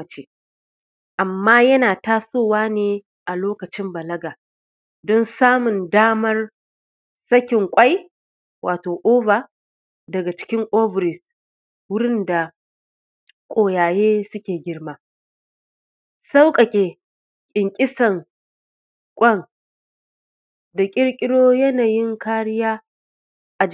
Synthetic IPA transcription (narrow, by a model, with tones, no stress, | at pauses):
ɐ˨t͡ʃeː˦ | ʔa˨mːaː˦jɐ˦naː˨taː˦soː˦˨waː˦neː˦ | ʔa˨loː˦kɐ˨t͡ʃɪ˦mbɐ˨lɐ˦ɡaː˨ | dɔ˦nsaː˦mʊ˨ndaː˦mɐ˦r | sɐ˦kʲɪ˨ŋkʷʼɐ˦j | wʔaː˨toː˨ʔoː˦baː˨ | dɐ˨ɡa˨t͡ʃɪ̥˦kʲɪ˦ŋʔo˦vɾɪ˨s | wʊ˦ɽɪ˦nda˨ | kʷʼoː˨jaː˨jeː˦sʊ˦kʲeː˨ɡʲɪ˦rmaː˦ | sa˦wkʼɐ˨kʲʼeː˨ | kʲʼɪ˨ŋkʲʼɪ˦sɐ˨ŋ | kʷʼɐ˦ŋ | da˨kʲʼɪ˦ɽkʲʼɪ˦ɽoː˦jɐ˦naː˨jɪ˦ŋkaː˦ɽɪ˦jaː˦ | ʔa˨